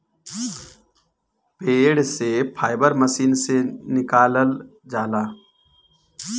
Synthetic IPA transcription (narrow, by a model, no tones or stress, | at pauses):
peːɽsepʰaːɪbəɾməsiːnsenɪkaːləld͡ʒaːlaː